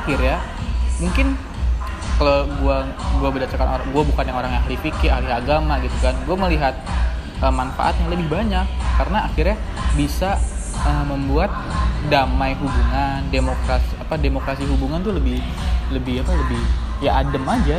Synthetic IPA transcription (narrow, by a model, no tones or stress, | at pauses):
axɪrja | muŋkɪn | kaloɡua | ɡuabədat͡ʃakano̰aɡuabukanjaŋoɾaŋjaŋahlifikɪalɪaɡamaɡit̪ukanɡuaməliɦat̪̚ | ʔəmːanfa̰ʔa̰t̪̚ɲaŋləbɪhbaɲakːarənaːxɪrɲa | bisa | əməmbuat̪̚damajɦubuŋandemokɾasiapademokɾasiɦubuŋant̪uləbɪh | ləbɪhapaləbɪhjaʔːdəmad͡ʒa